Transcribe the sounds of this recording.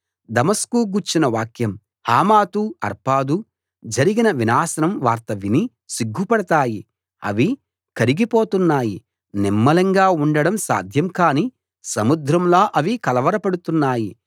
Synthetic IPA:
d̪ɐmɐskuːɡuɾt͡ʃinɐʋaːkjɐm | haːmaːt̪uɐɾpaːd̪u | d͡ʒɐɾiɡinɐʋinaːsɐnɐmʋaːɾt̪ɐʋini | siɡʱːupɐɽɐt̪aːji | ɐ̰ʋi | kɐɾiɡipoːt̪unːaːji | nimːɐlɐŋɡaːuɳɖɐɽɐmsa̰ːd̪ʱjɐmkaːniː | sɐmud̪ɾɐmloːʔɐʋikɐlɐʋɐɾɐpɐɽut̪unːaːji

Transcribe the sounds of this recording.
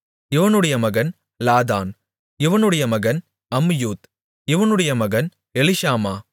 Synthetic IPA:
ɪʋɐnɯɽɐjɐmɐɣɐn | laːðaːn | ɪʋɐnɯɽɐjɐmɐɣɐn | ɐmjuːt̪ | ɪʋɐnɯɽɐjɐmɐɣɐn | ɛlɪʃaːmaː

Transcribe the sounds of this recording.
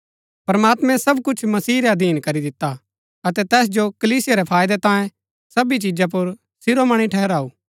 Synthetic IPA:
pɾɐmaːt̪mɛ̃sɐbkʊt͡ʃʰmɐsiːɾɛɐd̪ʱiːnkɐɾid̪ɪt̪ːa | ɐt̪ɛt̪ɛːs̬d͡ʒokɐliːsɪjaɾɛpʰaːjd̪ɛt̪ãːjẽ | sɐbit͡ʃid͡ʒap̬ʊɾ | sɪɾomɐɽ̃iʈʰɛːɦɛɾaːuː

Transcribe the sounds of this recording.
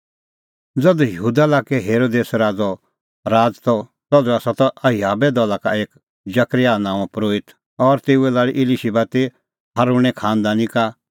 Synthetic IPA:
d͡zɐd̪ujəɦuːd̪alaːkɛɦeːɾoːd̪eːsɾaːd͡zɔ | ɾaːd͡zt̪ɔ | t̪ɔd̪uasat̪ɔʔɐjaːbɛd̪ɔlakaeːk | d͡ʒɐkɾɪjanãːɔ̃pɾoːɪt̪ | ɔːɾt̪eːuɛlaːliʔɪliʃibat̪e | haɾũɛkʰaːnd̪aːnĩka

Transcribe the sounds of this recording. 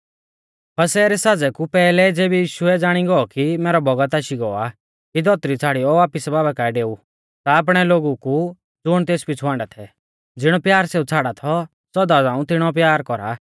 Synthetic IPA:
pʰɐsɛːɾɛsaːd͡zɛkupɛːlɛd͡zeːbijiːʃʊɛd͡zaːɽ̃iɡɔɔkimɛːɾɔbʱɔɡət̪aːʃiɡɔa | kid̪ɔt̪ɾit͡sʰaːɽijɔʋaːpisɛbaːbɛkaɛɖeːu | t̪aːp̬ɽ̃ɛloːɡuku | d͡zʊɽ̃t̪eːspit͡sʰuãːɳɖat̪ʰɛ | d͡zɪɽ̃ɔpjaːɾseːut͡sʰaːɽat̪ʰɔ | sɔd̪ad͡zãːũt̪ɪɽ̃ɔp̬jaːɾkɔɾa̰

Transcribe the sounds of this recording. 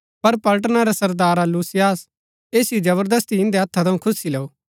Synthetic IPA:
pɐɾpɐlʈ̬naɾesɐɾd̪aːɾaluːsijaːs | eːsiod͡ʒɐβəɾd̪əst̪iɪ̃nd̪eɐt̪ʰːat̪ʰɐũkʰʊsileːoː

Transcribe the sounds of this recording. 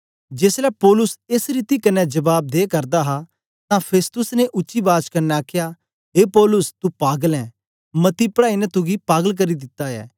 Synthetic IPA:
d͡ʒeːslɛpɔːlʊsesɾiːt̪ikɐnːɛd͡ʒɐbaːb̚d̪eːkɐɾd̪aɦa | t̪ãpʰeːst̪ʊsneʔʊːʃibaːt͡ʃkɐɾnɛaːkʰja | ɦeːpɔːlʊst̪upaːɡəlɛ̃ː | mɐt̪ipəɽaːinɛt̪ʊɡipaːɡəlk̬ɐɾid̪ɪt̪ːaɛ̰ː

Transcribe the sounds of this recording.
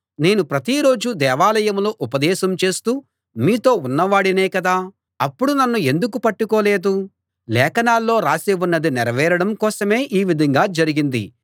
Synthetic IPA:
ne̞ːnupɾɐt̪iɾo̞ːd͡ʒud̪ɛːʋaːlɐjɐmlo̞ːʔupɐd̪ɛːʃɐmt͡ʃe̞ːst̪uː | miːt̪o̞ːunːɐʋaːɽinɛːkɐd̪aː | ɐpːuɽunɐnːue̞nd̪ukupɐʈːuko̞ːle̞ːd̪u | lɛːkɐnaːlːo̞ːɾaːseːʋunːɐd̪iniɾɐʋɛːɾɐɽɐmkɔːsɐme̞ːʔiːʋid̪ʱɐŋɡaːd͡ʒɐɾiɡind̪ḭ

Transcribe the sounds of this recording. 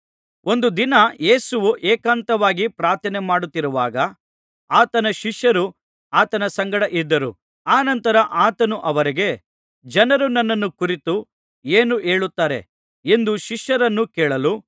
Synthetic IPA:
o̞nd̪ud̪inɐje̞ːsuʋuʔeːkaːnt̪ɐʋaːɡipɾaːɾt̪ʰɐnemaːɽut̪ːiɾuʋaːɡɐ | aːt̪ɐnɐʃiʃjɐɾu | aːt̪ɐnɐsɐŋɡɐɽɐʔid̪ːɐɾṵ | aːnɐnt̪ɐɾɐʔaːt̪ɐnuʔɐʋɐɾiɡe̞ | d͡ʒɐnɐɾunɐnːɐnːukuɾit̪u | eːnuʔeːɭut̪ːaːɾe̞̰ | e̞nd̪uʃiʃjɐɾɐnːukeːɭɐlu

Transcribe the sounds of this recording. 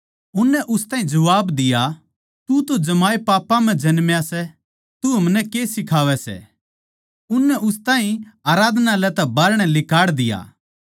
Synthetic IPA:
ʊnːɛʔʊst̪ãːɦĩd͡ʒɐʋaːbd̪ɪja | t̪ut̪od͡ʒɐmaːepaːpːãmɛ̃d͡ʒɐnmjasɛ | t̪uɦɐmnɛkeːsɪkʰaːʋɛsɛ̰ | ʊnːɛʔʊst̪aːĩaːɾaːd̪ʱnalɛt̪ɛbɐɾɽ̃ɛlɪkaːɽd̪ɪja̰ː

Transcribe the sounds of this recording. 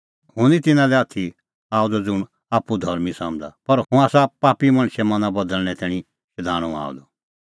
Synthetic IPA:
ɦʊ̃nĩt̪ɪnãlɛɐt̪ʰi | aːɔd̪ɔd͡zʊɳ | aːpud̪ʱɔɾmĩsãːmd̪a̰pɐɾɦʊ̃aːsapaːpimɐ̃ñʃɛmɐnãbɐd̪əlñɛt̪ɛːɽ̃ĩ | ʃɪd̪ʱaːɽ̃ɔ̃a̰ːɔ̰d̪ɔ

